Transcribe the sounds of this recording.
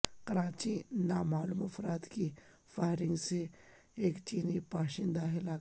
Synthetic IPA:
qɐɾãːt͡ʃinaːmaːlumɐfɾaːt̪ki | faːɪɾɪ̃ŋɡse | eːkt͡ʃiːnipaːʃɪ̃nd̪aːɦɪlaː

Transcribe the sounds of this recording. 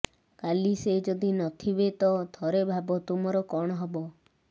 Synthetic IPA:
kalised͡ʒɔd̪inɔt̪ʰibet̪ɔd̪ʱɔɾebʱabɔt̪umɔɾɔkɔɽ̃ɔɦɔbɔ

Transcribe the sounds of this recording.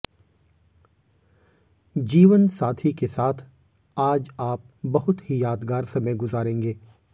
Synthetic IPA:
d͡ʒiːʋənsaːt̪ʰikesaːt̪ʰ | aːd͡ʒaːp̚bɐɦʊt̪ɦijaːd̪ɡaːɾsɐməjɡʊzaːɾẽːŋɡeː

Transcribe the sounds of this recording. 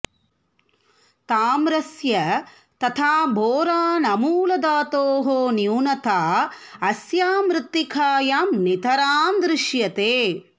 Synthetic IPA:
t̪aːmɾɐsjɐ | t̪ɐt̪ʰaːbʱoːɾaːnɐmuːlɐd̪aːt̪oːɦoːnjuːnɐt̪ʰaːɐsjaːmɾɨt̪ːikʰaːjaːmnit̪ɐɾaːnd̪ɾɪʃjɐt̪eː

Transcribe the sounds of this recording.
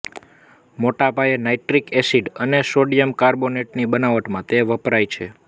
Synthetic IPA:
moʈapajenaiʈɾikesiɖənesoɖijəmkaɾboneʈnibənaʋəʈmãt̪eʋəpɾajt͡ʃʰḛ

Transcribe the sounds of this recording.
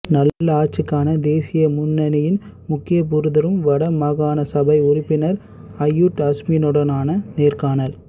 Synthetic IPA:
nɐlːlaːt͡ʃːɯkːaːnɐd̪eːsɪjɐmʊnːɐnɪjɪn | mʊkːɪjɐp̬ʊɾɯðɐɾɯmʋɐɽɐmɐɣaːnɐsɐbɐɪʊrɪpːɪnɐɾ | ɐjːuʈɐsminɔɽɐnaːnɐneːrkaːnɐl

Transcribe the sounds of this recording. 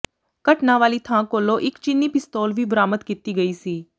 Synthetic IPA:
kəʈnaʋaːlit̪ʰãːkoːloʔɪkt͡ʃɪnːipɪst̪oːlʋibɾaːmət̪kit̪iɡɐiːsiː

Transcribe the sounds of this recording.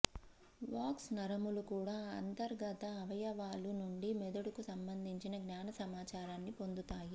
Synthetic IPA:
ʋaːksnɐɾɐmulukuːɽaːɐ̰nt̪ɐɾɡɐt̪ɐːʋɐjɐʋaːlunuɳɖimɛd̪ɐɽukusɐmbɐnd̪ʱiɲt͡ʃinɐɡnaːnɐsɐmaːt͡ʃaːɾaːnːipo̞nd̪ut̪aːji

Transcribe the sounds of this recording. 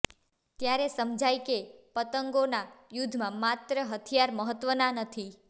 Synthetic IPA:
t̪jaɾesəmd͡ʒajkepət̪əŋɡonajud̪ʱmãmat̪ɾəɦət̪ʰijaɾməɦət̪ʋənanət̪ʰi

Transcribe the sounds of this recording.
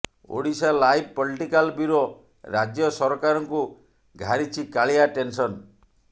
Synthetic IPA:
o̰ɽisalajb̚ʱpɔliʈikalbiɾɔ | ɾad͡ʒjɔsɔɾɔkaɾɔŋku | ɡʱaɾit͡ʃʰikaɭiaʈensɔn

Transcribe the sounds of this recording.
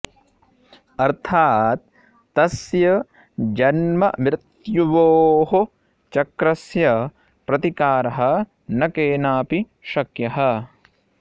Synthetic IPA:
ɐɾt̪ʰaːt̪̚ː | ɐsjɐ | d͡ʒɐnmɐʋɾɪt̪juʋoːɦo | t͡ʃɐkɾɐsjɐ | pɾɐt̪ikaːɾɐɦɐ | nɐkeːnaːpi | ʃɐkjɐɦɐ

